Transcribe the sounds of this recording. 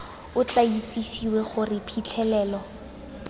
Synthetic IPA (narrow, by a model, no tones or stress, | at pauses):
ʊt͡ɬait͡sʼiʃiweχʊrɪpʰit͡ɬʰɛlɛːlɔ